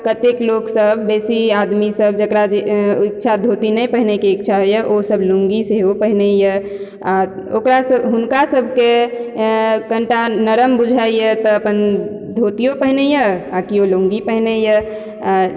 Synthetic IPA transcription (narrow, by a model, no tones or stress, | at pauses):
kət̪ekloksəbʱːesiad̪misəb̚d͡ʒəkɾad͡ʒeitːt͡ʃʰad̪ʱot̪inəjpəɦinekeikt͡ʃʰaɦojəʔosəbloŋɡiseɦopəɦinejə | aokɾasəbɦunkasəbʱke | kəɳʈanəɾəmbud͡ʒʱajət̪ɔəpən | d̪ʱot̪ijopəɦnejəakiolõŋɡipəɦinejə